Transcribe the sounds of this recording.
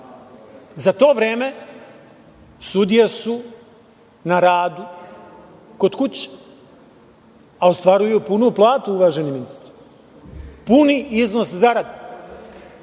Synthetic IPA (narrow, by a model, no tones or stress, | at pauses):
zat̪o̞ːʋɾe̞ːme̞ | sud̪ijesu | naɾaːd̪u | ko̞d̪kut͡ɕe̥ | aost̪ʋaɾujupunuplˠaːt̪uuʋaʒeniminist̪ɾi̥ | puniiznoszaɾad̪e